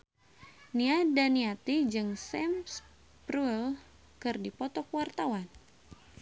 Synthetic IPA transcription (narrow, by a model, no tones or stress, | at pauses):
niadaniat̪id͡ʒɨŋsɛms | pɾuɛl | kɨrdipɔt̪ɔkwart̪awan